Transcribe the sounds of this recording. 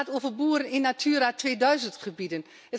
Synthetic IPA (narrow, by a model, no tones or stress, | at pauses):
atoːvərbuːərənɪnːatʰyːəratʋeːdœɥzəntχəbidən | ə